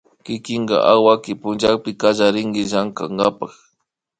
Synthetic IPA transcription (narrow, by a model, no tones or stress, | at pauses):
kɪkɪɴɡɑ̰ʔawakɪpʊnd͡ʒak̚pɪkaʒaɾɪŋɡɪʒaŋkaŋɡapɑχ